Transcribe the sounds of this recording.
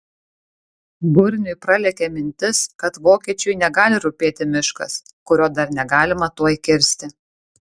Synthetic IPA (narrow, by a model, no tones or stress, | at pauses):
bʊɾʲnʲʊɪpɾɐlʲɛkʲemʲɪnʲt̪ʲɪskɐt̪ʋoːkʲiɛt͡ʃʲʊjnʲɛɡɑːlʲɪɾʊpʲeːt̪ʲɪmʲɪʃkɐ̰s | kʊɾʲoːd̪ɐɾnʲɛɡɑːlʲɪmɐt̪uɔjkʲɪɾʲsʲt̪ʲɪ